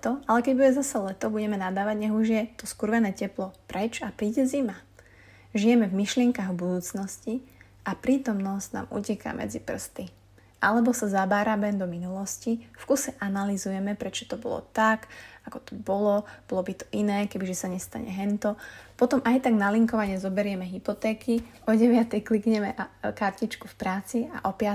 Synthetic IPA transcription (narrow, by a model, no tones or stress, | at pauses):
ɛt̪ɔalɛkɛɟbuɟɛzasalɛt̪ɔbuɟɛmɛnad̪aːʋaɟɲɛɦuʒɪjɛt̪ɔskuɾʋɛnɛːcɛplɔpɾɛt͡ʃapɾiːɟɛzima | ʒijɛmɛvmiʃlɪɛŋkaɣbud̪uːt͡snɔsci | ʔapɾiːt̪ɔmnɔscna̰ːmʔṵcɛka̰ːmʔɛ̰d͡zipr̩st̪i | ʔalɛbɔsazabaːɾabɛnd̪ɔminulɔscifkusɛʔanalizujɛmɛpɾɛt͡ʃɔ̥t̪ɔbɔ̰lɔ̰t̪akakɔ̥t̪ɔ̥bɔlɔb̥ɔlɔbit̪ɔ̥ʔinɛːkɛbiʒɛsaɲɛst̪a̰ɲɛ̰ɦɛnt̪ɔpɔt̪ɔmʔajt̪aɡnaliŋkɔʋaɲɛzɔbɛɾɪɛmɛɦipɔt̪ɛːkiɔɟɛʋɪat̪ɛjklikɲɛmɛkaɾcit͡ʃkufpɾaːt͡sia̰ʔɔpɪa